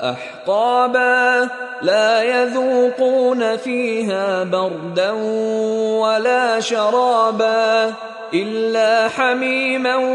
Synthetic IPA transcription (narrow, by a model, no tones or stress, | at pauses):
ʔa̰ħt̪ɑːbaː | laːjaðuːquːnafiːɦaːbɑɾˤd̪an | walaːʃɑɾˤɑːbaː | ʔɪlːaːħamiːma